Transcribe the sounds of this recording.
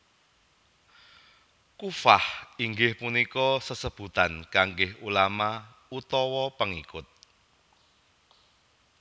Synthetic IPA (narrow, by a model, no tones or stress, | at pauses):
kufahiŋɡɪhpunikɔsəsəb̥ṳt̪ankaŋɡɪhulama | ut̪ɔwɔpəŋikʊt̪̚